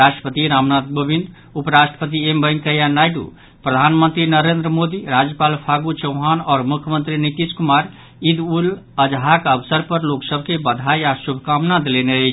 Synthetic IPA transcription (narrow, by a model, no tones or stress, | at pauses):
ɾaʃʈə̥pət̪iɾamnat̪̚bʱəbʱind̪ | upɾaʃʈəpət̪iembəjŋkəjanajɖṵ | pɾəd̪ʱanmənt̪ɾinəɾend̪ɾəmod̪iɾad͡ʒjəpalpʰaɡut͡ʃəʊɦanɔːɾmukʰjəmənt̪ɾinit̪iskumaɾ | id̪ul | əd͡ʒɦakəbsəɾpəɾloksəbʱkebəd̪ʱajasubʱkamnad̪leneəjt͡ʃʰ